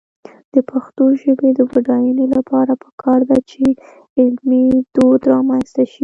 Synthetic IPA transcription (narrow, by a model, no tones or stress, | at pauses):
d̪̥əpʰaxt̪oʒəbed̪əbaɖɑjunolapʰɑɾapə̥kʰɑɾd̪at͡ʃe | ɪlmid̪̥od̪ɾɑmanst̪aʃi